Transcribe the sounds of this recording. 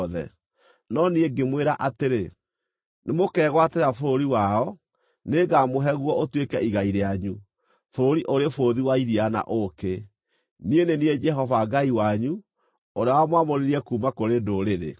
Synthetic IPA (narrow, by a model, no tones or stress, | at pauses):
ðɛ̰ | nɔnieɡemweɾaʔateɾe | nemokɛːɣwateɾafoɾoɾiwaɔ | neɡamoɦɛɣwɔotwekɛiɣaiɾeaɲu | foɾoɾiʔoɾefoðiwaiɾiana̰ʔoke | nienenied͡ʒɛɦɔvaɡaiwaɲu | oɾeawamwamoɾeɾiɛkuːmakoɾedoɾeɾḛ